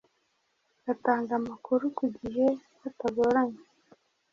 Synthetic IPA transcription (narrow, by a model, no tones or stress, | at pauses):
ɡataːŋɡamakuɾukuɟiɦe | ataɡoɾaɲe